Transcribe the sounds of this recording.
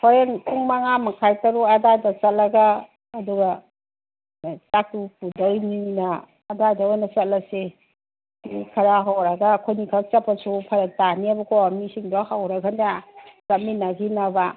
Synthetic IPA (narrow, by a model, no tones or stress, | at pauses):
pʰɔɾenkʰuŋmaŋamɐkʰajtɐɾuɐdajdɐt͡ʃɐt̚lɐɡaː | duɡa | t͡ʃak̚tupʰudɐjninɐː | dajdaojnɐt͡ʃɐt̚lɐse | nikʰɐɾaɦawɾaɡakʰojnikʰat͡ʃɐpːasupʰɐɾetaniɐbɐkʰowamisiŋdɔhawɾaɡandeaɾaminaɡinɐba